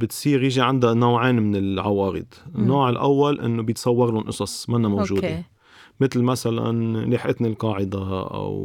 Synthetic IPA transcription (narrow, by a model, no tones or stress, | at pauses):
bɪt̪sˤiːɾjɪʒiʕand̪anoːʕeːnmɪnɪlʕawɑːɾɪ̰d̪nːoːʕɪlʔa̰wːalʔɪ̰nːobjɪt̪sˤɑwːɑɾlʊnʔɨsˤɑsˤmanːamowʒuːd̪e | mɪt̪lmasala̰nleːħʔɪt̪nalqɑːʕɪd̪aʔa̰w